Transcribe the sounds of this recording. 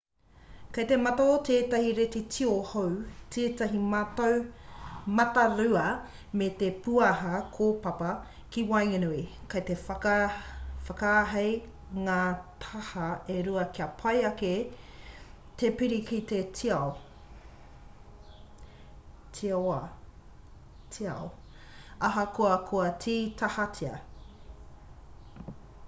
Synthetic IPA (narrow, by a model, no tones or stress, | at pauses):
kɐjt̪emɐtot̪ʰeːtɐhiɾet̪etʰiohowtʰeːtɐɦiatow | mɐtɐɾʉɐ | met̪epuɐɦɐkʰopɐpɐ | kiwɐjŋɐnuikɐjt̪e | fɐkaːɦɐj | ŋaːt̪ʰɐhɐeɾuɐkiɐpʰɐjɐke | t̪epiɾikit̪etʰiɐw | tʰiɐa | tʰiɐ̰o | ɐɦɐkʰoɐkʰoɐtʰiːt̪ʰɐhɐtʰiɐ̰